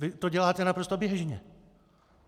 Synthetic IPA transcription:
ɪt̪oɟɛlaːt̪ɛnapɾost̪objɛʒɲɛ̰

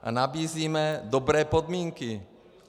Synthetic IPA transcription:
ʔa̰nabiːziːmɛdobɾɛːpod̪miːŋkɪ

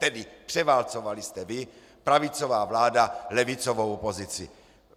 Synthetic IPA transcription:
t̪ɛdɪpr̥ɛvaːlt͡sovalɪst̪ɛvɪ | pɾavɪt͡sovaːvlaːdalɛvɪt͡sovowpozɪt͡sɪ̰

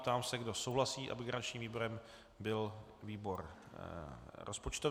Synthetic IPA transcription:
t̪aːmsɛɡdo̞sowɦlasiːʔa̰bɪɡɾant͡ʃɲiːmviːboɾɛm | bɪl | viːbo̞ɾ | ɾʔospot͡ʃt̪o

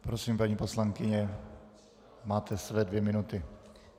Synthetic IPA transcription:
pɾosiːmpaɲiːpo̞slaŋkɪɲɛ | maːt̪ʰɛsvɛːdvjɛmɪnut̪ɪ

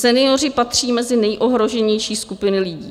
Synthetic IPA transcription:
sɛnɪo̞r̝ɪpat̪r̝̥iːmɛzɪnɛjʔo̞ɦɾo̞ʒɛɲɛjʃiːskupɪnɪlɪɟiː

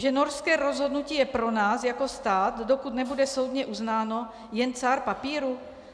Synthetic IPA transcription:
ʒɛnoɾskɛːɾozɦo̞dnuciːjɛpɾo̞naːsjako̞st̪aːt̪dokut̪nɛbudɛso̞wd̪ɲɛʔuznaːno̞ | jɛnt͡saɾpapiːɾu

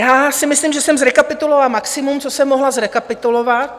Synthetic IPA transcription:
jaːsɪmɪslimʒɛsɛmzɾɛkapɪt̪ulovalamaksɪmumt͡sosɛmːoɦlazɾɛkapɪt̪ulovat̪̚

